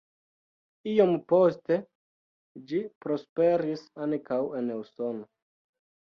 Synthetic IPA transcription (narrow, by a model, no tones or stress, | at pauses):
io̞mpo̞ste̞ | d͡ʒipɾo̞spe̞ɾisankawe̞newso̞no